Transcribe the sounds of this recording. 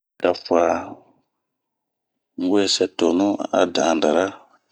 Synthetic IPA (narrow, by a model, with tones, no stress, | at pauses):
da˨fa˨ | ŋ˦we˦˨sɛ˦to˨nũ˦a̰˦dã˨a˨n˨da˨ɾa˦